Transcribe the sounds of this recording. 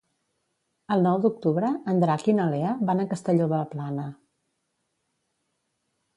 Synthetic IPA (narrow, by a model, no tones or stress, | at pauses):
əlˠnɔwd̪uk̚t̪uβɾəːnd̪ɾakinəleəβanəkəst̪əʎoðələplanə